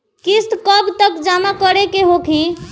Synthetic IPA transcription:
kist̪kəbt̪əkd͡ʒamakəɾekeɦokʰi

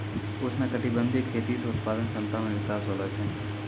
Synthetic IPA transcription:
ʊsnakəʈɪbə̃nd̪ʱɪkʰːeːt̪iseʊt̪̚paːd̪ənsə̃nt̪amẽʋɪkaːsɦolat͡ʃʰɛ̃

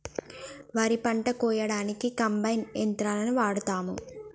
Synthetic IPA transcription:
ʋɐɾipɐɳʈɐkɔːjɐɽaːnikikɐmbɐjnent̪ɾaːlɐnuʋaːɽut̪aːmu

